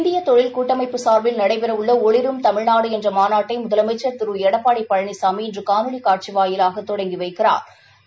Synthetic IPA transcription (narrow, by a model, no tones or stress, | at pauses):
ɪnd̪ɪjɐt̪ɔɻɪlkuːʈːɐmɐɪpːɯsaːɾbɪlnɐɽɐɪpɛɾɐʋɯɭːɐɔɭɪɾɯmt̪ɐmɪɻnaːɽɯɛndrɐmaːnaːʈːɐɪmʊðɐlɐmɐɪt͡ʃːɐɾt̪ɪɾɯɛɽɐpːaːɽɐɪpːɐɻɐɳɪsaːmiɪndrɯkaːnɯɭikaːʈ̚t͡ʃiʋaːjɪlaːɣɐt̪ːɔɽɐŋɡiʋɐɪkːɪra̰ːɾ